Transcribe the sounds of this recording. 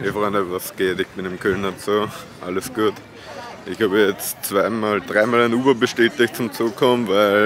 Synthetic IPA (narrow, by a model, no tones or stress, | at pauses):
ifʁɔɪndəvasɡ̥eːtɪçb̥ɪnɪmkʰœlnat͡soː | ʔaləsɡ̥uːt | ʔɪçhaːbəjɛt͡st͡sv̥aɪmaːld̥ʁaɪmaːlaɪnuːbɐbəʃteːtɪçt̚t͡sʊmt͡suːkkʰɔmnvæɪl